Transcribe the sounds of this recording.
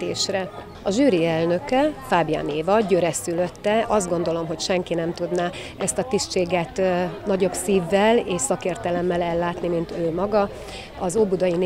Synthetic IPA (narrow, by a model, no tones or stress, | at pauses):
eːʃrɛ | ɒʒyːɾiɛlnø̞kɛfaːbja̰ːneːvɒɟøɾɛsylø̞t̪ːɛɒzd̪ɡo̞nd̪o̞lo̞mɦo̞cʃɛŋkinɛmt̪ud̪naː | ɛst̪ɒt̪iʃt͡ʃeːɡɛt̪nɒɟo̞bsiːvːɛleːʃsɒkeːrt̪ɛlɛmːɛlɛlːaːt̪nimint̪øːmɒɡɒ | ɒzoːbud̪ɒjin